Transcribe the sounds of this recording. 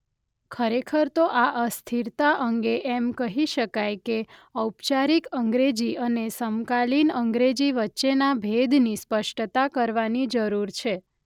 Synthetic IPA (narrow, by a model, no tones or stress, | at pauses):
kʰəɾekʰəɾt̪oʔaʔəst̪ʰiɾt̪aʔəŋɡeʔɛmkəɦiʃəkajkeəwpt͡ʃaɾikəŋɡɾed͡ʒiənesəmkalinəŋɡɾed͡ʒiʋətːʃenabʱed̪nispəʃʈt̪akəɾʋanid͡ʒəɾuɾt͡ʃʰe